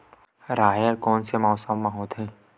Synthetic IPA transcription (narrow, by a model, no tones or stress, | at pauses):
ɾaːjəɾkɔːnsemɔːsəmːaɦɔːt̪ɦɛ̃ː